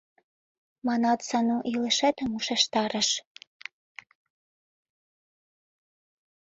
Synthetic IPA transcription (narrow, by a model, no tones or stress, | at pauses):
mɑnɑt̪sɑnoʔilĕʃet̪ə̆muʃeʃt̪ɑɾə̆ʃ